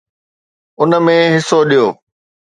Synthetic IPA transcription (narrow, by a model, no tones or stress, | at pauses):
ʊnəmẽɦɪsoɗijoː